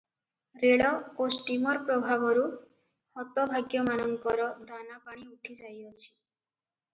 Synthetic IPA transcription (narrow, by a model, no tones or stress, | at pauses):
ɾeɽɔosʈimɔɾpɾɔbʱabɔɾu | hɔt̪ɔbʱaɡjɔmanɔŋkɔɾɔd̪ʱanapaɽ̃iuʈʰid͡ʒajɔt͡ʃʰi̥